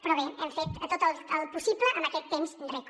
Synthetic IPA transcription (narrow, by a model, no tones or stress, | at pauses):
pɾɔβeɛmfet̪t̪ot̪əlˠəlˠpusipləʔənəkɛt̪ːemznd̪ɾɛk